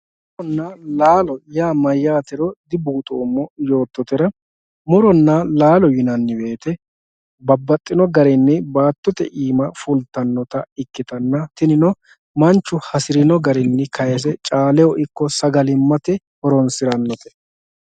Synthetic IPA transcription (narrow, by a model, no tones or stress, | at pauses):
mɔɾɔnːɐlaːlɔjaːmɐjːaːt̪ɛɾɔd̪ɪbuːt̪ʼoːmːɔjo̞ːt̪ːɔt̪ɛɾɐ | mʊɾɔnːɐlaːlɔjɪnɐnːɪbe̞ːt̪ɛ | bɐbːɐt̪ʼːɪnɔɡɐɾɛnːɪbaːt̪ːɔt̪ɛʔiːmɐfʊlt̪ːɐnːɔt̪ɐɪkːɪt̪ɐnːɐt̪ɪnɪnɔ | mɐnt͡ʃːʊhɐsɪɾɪnɔɡɐɾɛnːɪkʰɐjɛs̬ɛt͡ʃʼaːlɛɔʔɪkːɔsɐɡɐlɪmːɐt̪ɛ | hɔɾɔnsɪɾɐnːɔt̪ɛ̥